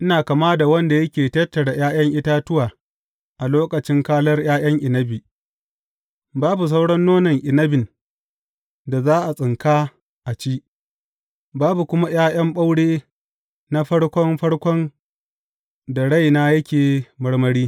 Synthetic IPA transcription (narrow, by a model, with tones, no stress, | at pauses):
ʔɪ˦naː˨ka˨maː˦da˨wɐ˦nda˨jɐ˦kʲeː˨tɐ˦tːɐ˨ɽa˨jaː˦jɐ˦ŋʔɪ˦taː˦tʊ˦waː˨ | ʔa˨loː˦kɐ˨t͡ʃɪ˦ŋkaː˦lɐ˦rj̰aː˦j̰ɐ˦ŋʔɪ˨nɐ˦bi˨ | baː˦bu˨s̬a˦wɽɐ˦nːoː˦nɐ˨ŋʔɪ˨nɐ˦bɪ˨n | da˨zaː˦ʔa˨sʼɪ˨ŋkaː˦ | ʔa˨t͡ʃiː˦ | baː˦bu˨kʷʊ˦ma˦j̰aː˦j̰ɐ˦mɓa˦wɽeː˦ | na˦ɸɐ˦ɽkʷɔ˦mɸɐ˦ɽkʷɔ˦n | da˨ɽa˦jnaː˦jɐ˦kʲeː˨mɐ˦ɽmɐ˦ɽiː˦